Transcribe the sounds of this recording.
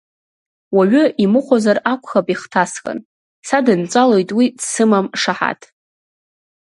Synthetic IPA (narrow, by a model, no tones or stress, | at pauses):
waɥʊimɨχʷozarakʷʰʼχapʼiχtʰaskʼa̰n | sadɨnt͡sʷʼalo̞jtʼwidsɨmamʂaħa̰tʰʼ